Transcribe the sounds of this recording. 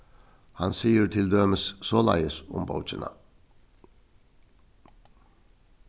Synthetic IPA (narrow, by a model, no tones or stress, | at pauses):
hɑnsiːəɾt̪ʰɪld̪øːməssoːlɑ̰ɪəsʊ̰mbɑ̰ʊt͡ʃənə̰